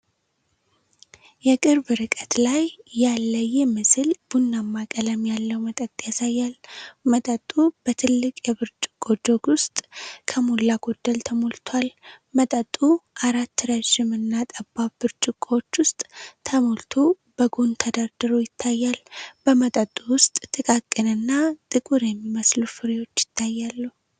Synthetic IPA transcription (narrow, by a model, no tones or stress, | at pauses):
jɛkʼɨɾbɨɾɨkʼət̪lajːalːəjɛmɨsɨlb̥unːamːakʼələmjalːəwmət̪ʼət̪ʼjasajːalmət̪ʼət̪ʼːub̥ət̪ʰɨlːɨkʼjɛβɨɾt͡ʃʼɪ̥kʼod͡ʒo̞ɡwʊst̪ʼkʰəmolːaɡ̥o̞d̪ːəlt̪ʰəmolt̪ʰwal | mət̪ʼət̪ʼːuʔaɾat̪ːɨɾəʒɪmɨnːat̪ʼəbːabɨɾt͡ʃʼɪkʼːowot͡ʃːwʊst̪ʼt̪ʰəmolt̪ʰo | b̥əɡont̪ʰəd̪aɾd̪ɨɾojɪt̪ʰːajːalb̥əmət̪ʼət̪ʼuwʊst̪ʼt̪ʼɨkʼakʼːɨnɨnːat̪ʼɨkʼuɾjɛmːiməslufɨɾewo̞t͡ʃːjɪ̥t̪ʰːajːalːu